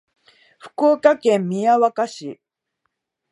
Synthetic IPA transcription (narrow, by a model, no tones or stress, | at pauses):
ɸɯ̥koːkakẽmːʲiaβakaɕi